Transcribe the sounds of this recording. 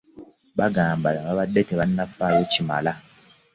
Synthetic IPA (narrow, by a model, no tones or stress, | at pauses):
βaɡaːmbalaβaβadːe̞teβanːafaːjo̞cima̰la